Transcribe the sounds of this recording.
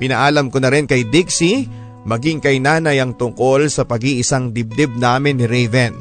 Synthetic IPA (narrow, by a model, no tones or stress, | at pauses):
pɪnɐʔaːlɐmkonɐɾɪnkɐjd̪ɪksi | mɐɡiŋkɐjnaːnɐjɐŋt̪ʊŋko̞lsɐpɐɡiʔɪsaŋd̪ɪb̚d̪ɛb̚naːmɪnːɪɾɛjvɛn